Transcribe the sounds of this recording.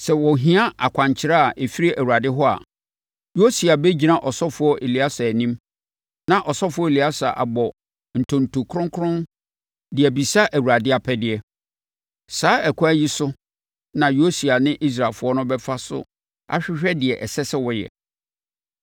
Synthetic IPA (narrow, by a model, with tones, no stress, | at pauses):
sɛ˨wɔ˨ɦĩ˦a˦a˨kʷʰã˨ɲt͡ɕʰɪ˦ɾa˦a˨ʔe˨fi˦ɾi˦ʔæ˨wu˨ɾa˨dɪ˦ɦɔ˦a̰˨ | jo˦si˨a˨bɛ˦d͡ʑi˨nã˦ʔɔ˨sɔ˦fʊ˨˦ɔ˦ʔe˨li˨a˦sa˨nĩ˦m | nã˨ʔɔ˨sɔ˦fʊ˦ɔ˦e˨li˨a˦sa˨ʔa̰˨bɔ˨ | n̩˨tʰʊ̃˨n˨tu˨kʰʊ̃˦ŋkʰɾʊ̃˦n | dɪ˨ɛ˨bi˨sa˦ʔæ˨wu˨ɾa˨dɪ˦a˨pʰɛ˦dɪ˨ɛ˦ | saː˦ɛ˨kʰʊ˦æ˦ji˦sʊ˦ | nã˨jo˦si˨a˨nɪ̃˦ʔi˦s̬ɾa˨lfʊ˦ɔ˦nʊ̃˦bɛ˦fa˦sʊ̰˦ | a̰˦ɕᶣɪ˦ɕᶣɛ˦dɪ˨ɛ˨ʔɛ˨sɛ˦sɛ˦wɔ˨jɛ̰˨